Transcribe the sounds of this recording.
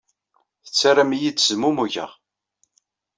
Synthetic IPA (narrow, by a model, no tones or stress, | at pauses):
θət͡sːaɾamijid̪zmumuʝə̰ʁ